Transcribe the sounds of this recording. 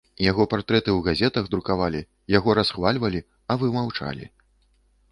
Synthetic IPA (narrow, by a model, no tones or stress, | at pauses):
jaɣɔpart̪ɾɛt̪ɨwɣazʲɛt̪ɐɣd̪ɾukavalʲi | jaɣɔɾasxvalʲvɐlʲi | ɐvɨmawt͡ʂa̰lʲḭ